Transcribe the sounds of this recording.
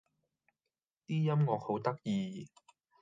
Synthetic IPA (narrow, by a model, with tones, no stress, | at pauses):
t̪iː˥jɐ˥mŋɔː˧k̚ho˨˥wt̪ɐ˥k̚jiː˨˧